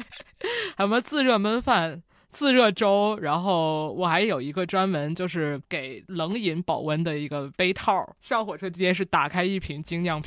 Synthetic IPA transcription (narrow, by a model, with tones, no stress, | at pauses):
a˧˥ɪmə˧t͡sɹ̩˥˧ɻɤ˥˧mə˥nfa˥˩n | t͡sɹ̩˥˧ɻɤ˥˩ʈ͡ʂo˥ʊɻa˧˥nxo˥˩ʊwɔ˨˩xa˧˥ɪjo˨˩ʊi˧˥ɡə˧ʈ͡ʂwa˥nmə˧˥nt͡ɕjo˥˧ʊʂɻ̩˥˩ke˨˩˦ɪlɤ˧˥ŋi˧˥npɑ˨˩ʊwə˥nd̪ə˨i˧˥ɡə˧pe˥ɪt̪ʰɑ˥˩ʊʂjɑ˥˩ŋxwɔ˨˩ʈ͡ʂʰɤ˥ʈ͡ʂi˥t͡ɕjɛ˥nʂɻ̩˥˩t̪a˨˩kʰa˥ɪi˥˩pʰi˧˥ŋt͡ɕi˥ŋnjɑ˥˩ŋpʰ